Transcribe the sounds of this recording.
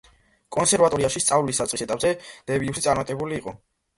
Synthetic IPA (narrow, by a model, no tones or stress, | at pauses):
kʼɔnsɛɾvat̪ʼɔɾiaʃist̪sʼavlisːat̪sʼisɛt̪ʼapʼzɛd̪̥ɛviusit̪sʼaɾmat̪ʼɛbuliːqʼɔ